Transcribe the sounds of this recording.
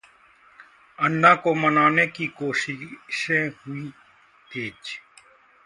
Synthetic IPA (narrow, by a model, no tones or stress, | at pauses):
ɐnːãːkomɐnaːnekikoːʃɪʃẽhui | tʰeːt͡ʃ